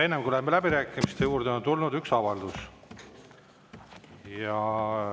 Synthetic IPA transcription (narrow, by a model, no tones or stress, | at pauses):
enːemɡuolemːelæbiɾæːkːˑimist̪e̞juːɾd̪eont̪ulnud̪yksɑvɑld̪us | jɑ